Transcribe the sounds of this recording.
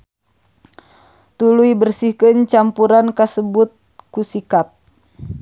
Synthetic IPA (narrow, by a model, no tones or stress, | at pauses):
t̪uluibərsihkɨnt͡ʃampuɾankasəbut̪̚kusikat̪̚